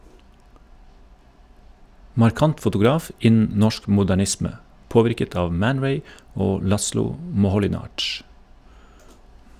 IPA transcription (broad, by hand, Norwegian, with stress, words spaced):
mɑɾˈkɑnt fʊtʊˈɡɾɑːf ˈɪnn̩ ˈnɔʃk mʊdæˈɳɪsmə ˈpoːʋɪɾkət ˈɑːʋ ˈmæn ˈɹeɪ ˈoː ˈlɑslʊ mɔhɔlɪˈnɑːd͡ʒ